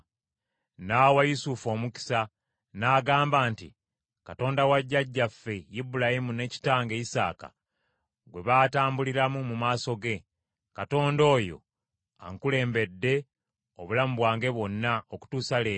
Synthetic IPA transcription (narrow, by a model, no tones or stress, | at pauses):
nawajusufo̞ːmuki̥sa | naːɡaːmbaːnti | kato̞ːndawaɟːaɟːafːe̞jibulahimune̞ːci̥taːŋɡe̞isa̰ːka̰ | ɡwe̞βaːtaːmbuliɾamumumaːso̞ɡe̞ | kato̞ːndo̞ːjo̞̰ | a̰ŋkule̞ːmbe̞dːe̞ | oβulamuβwaːŋɡe̞βwo̞nːaoku̥tuːsaleː